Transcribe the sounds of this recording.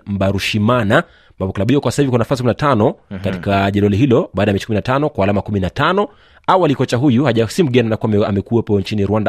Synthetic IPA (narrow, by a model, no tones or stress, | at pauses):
m̩ɓaɾuʃimana | ambapɔkalaɓiwɔkwasahivikwanafasikuminatanɔkati̥kaʄɛlɔliɦilɔɓaːɗajamɛt͡ʃikuminatanɔkwahalamakuminatanɔ | awalikɔt͡ʃaɦujuhaʄasim̩ɡɛnianakuaamɛkuwɛpɔɲt͡ʃiniɾwanda